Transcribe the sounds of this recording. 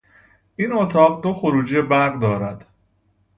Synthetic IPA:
ʔinot̪ʰɒːɢd̪o̞xoɾuːd͡ʒiebæɾɢd̪ɒːɾæd̪̥

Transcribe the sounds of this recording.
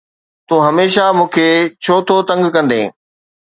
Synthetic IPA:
t̪ũːɦɐmeːʃamũːkʰeːt͡ɕʰoːt̪ʰot̪ɐ̃ŋɡkɐ̃nd̪ḛ̃ː

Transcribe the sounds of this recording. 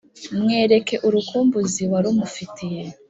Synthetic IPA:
mŋe̞ːɾe̞ke̞ʔuɾukuːmbuziwaɾumufitije̞

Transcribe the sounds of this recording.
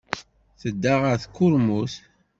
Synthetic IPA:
θəd̪ːaʁəɾθkːʊɾmuθ

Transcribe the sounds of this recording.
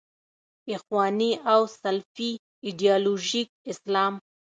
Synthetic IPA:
ɪxwɑniawsalfi | ɪɖijɑloʒik̚ɪslɑm

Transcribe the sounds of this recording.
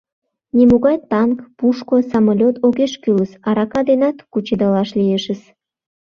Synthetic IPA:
nʲimuɣɑjt̪ɑnkpuʃkosɑmolʲot̪ʰoɣeʃkyləsɑɾɑkɑd̪enɑt̪kut͡ɕid̪ɑlɑʃlʲijeʃəs

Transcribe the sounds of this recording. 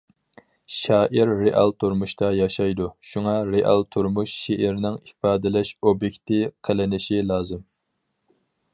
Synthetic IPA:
ʃɑːʔiɾːeʔɑ̰lˠt̪ʰuɾmuʃt̪ɑjɑʃɑjd̪uʃuŋɑɾeʔɑ̰lˠt̪ʰuɾmuʃʃeʔɪɾnɪŋifɑːd̪ɪlɛʃobjekʲt̪ɪqʰəlɪnɪʃilˠɑːzɨm

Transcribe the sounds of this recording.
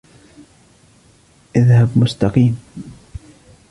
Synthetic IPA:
ʔɪðhabmʊst̪ɑqiːm

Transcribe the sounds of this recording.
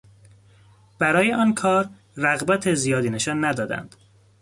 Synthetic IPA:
b̥æɾɒːjeʔɒːnkʰɒːɾ | ræɣbæt̪ʰezijɒːd̪iːne̞ʃɒːnːæd̪ɒːd̪æ̰nd̪̥

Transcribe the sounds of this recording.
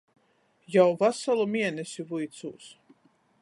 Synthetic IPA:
jawvasalˠumiɛnɛsʲivujt̪sṵːs

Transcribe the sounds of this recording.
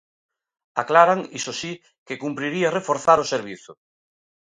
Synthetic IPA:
aklaɾaŋisosi | kekumpɾiɾiarefoɾθaɾoseɾβ̞iθʊ

